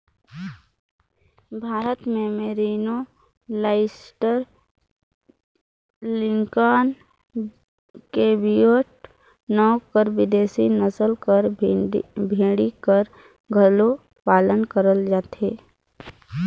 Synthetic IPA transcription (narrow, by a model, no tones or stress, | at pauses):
bʱaːɾət̪memeɾiːno | laɪsʈəɾ | lɪŋkaːn | kebioːʈ̚ | nɔːkəɾʋɪd̪eːsinəsəlkəɾ | bʱẽːɽikəɾ | ɡʱəlo | paːlənkəɾəld͡ʒaːt̪eː